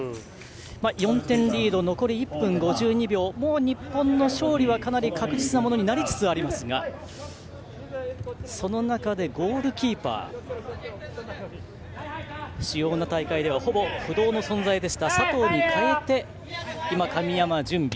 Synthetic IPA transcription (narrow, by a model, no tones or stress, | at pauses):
majõ̞nt̪ẽ̞nɾʲiːd̪o̞no̞ko̞ɾʲiipːɯ̟̃ŋɡo̞ʑɨːɲ̟ibʲjo̞ːmo̞ːɲ̟ipːõ̞nːo̞ɕo̞ːɾʲiβ̞akanaɾʲikʰakɯ̟ʑit͡sɨnamo̞no̞ɲ̟inaɾʲit͡sɨ̥t͡sɨaɾʲimasɨɡa | so̞no̞nakad̪e̞ɡo̞ːɾɯ̟kʲiːpa̰ː | ɕijo̞ːnat̪aikaid̪e̞β̞aho̞bo̞ɸɯ̟d̪o̞ːno̞sõ̞nd͡zaid̪e̞ɕi̥t̪asat̪o̞ːɲ̟ikʰae̞t̪e̞ | imakamʲijamad͡ʑɨ̃mbʲi